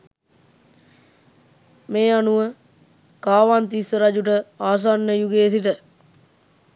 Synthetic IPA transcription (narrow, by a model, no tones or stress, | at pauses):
meːanuʋə | kaːʋant̪isəɾad͡ʒuʈəaːs̬anːəjuɡeːs̬iʈə